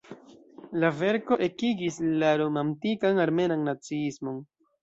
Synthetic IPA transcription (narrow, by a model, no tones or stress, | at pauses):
lave̞ɾko̞ʔe̞kiɡislaɾomantikanaɾme̞nanːat͡siismo̞n